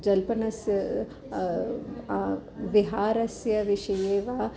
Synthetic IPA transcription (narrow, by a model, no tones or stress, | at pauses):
d͡ʒɐlpɐnɐsj | ʋɪɦaːɾɐsjɐʋɪʃɐjeːʋaː